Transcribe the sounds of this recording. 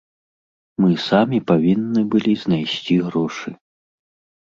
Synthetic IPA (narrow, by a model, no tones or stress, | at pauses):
mɨsamʲipavʲinːɨbɨlʲiznajsʲt͡sʲiɣɾɔʂɨ